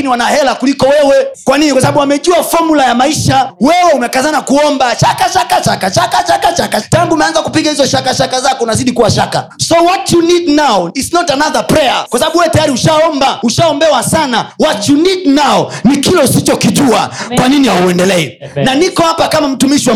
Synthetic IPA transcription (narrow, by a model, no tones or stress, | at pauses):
iniwanahɛlakulikɔwɛwɛkwaninikwasaɓaɓuwamɛʄuafɔmulajamaiʃawɛwɛumɛkazanakuɔmbaʃakaʃakat͡ʃakat͡ʃakat͡ʃakat͡ʃakataŋɡuːmɛanzakupiɠahizɔʃakaʃakazakɔunaziɗikuwaʃaka̰ | sɔwɔtjunidnawisnɔtanaðapɾɛakwasaɓaɓuwɛwɛtajaɾiuʃaɔmbauʃaɔmbɛwasanawɔtjunidnaɔnikilɔsit͡ʃɔkiʄua̰kwaninijauɛndɛlɛɛ̰ | nanikɔhapakamam̩tumiʃiwa